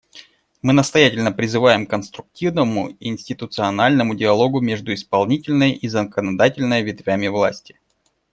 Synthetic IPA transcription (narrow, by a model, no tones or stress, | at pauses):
mɨnəst̪ɐjætʲɪlʲnəpɾʲɪzɨvajɪmkənst̪ɾʊk̚tʲivnəmʊɪnʲsʲtʲɪt̪ʊt̪sɨɐnalʲnəmʊdʲɪɐlˠo̞ɡʊmʲeʐd̪ʊɪspɐlˠnʲitʲɪlʲnəjʔizəkənɐd̪atʲɪlʲnəjəvʲɪt̪vʲæmʲɪvlˠa̰sʲtʲɪ̥